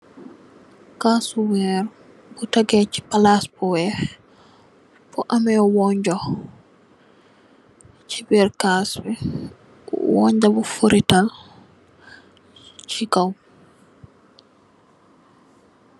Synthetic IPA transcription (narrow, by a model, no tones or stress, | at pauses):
kasuwɛɾ | bɔtaɡɛt͡ʃi̥palaspɔwɛ | pɔʔamɛɔwɔɲd͡ʒɔ | t͡ʃibɛɾkasbɛ | wɔɲd͡ʒabɔfoɾital | t͡ʃikaw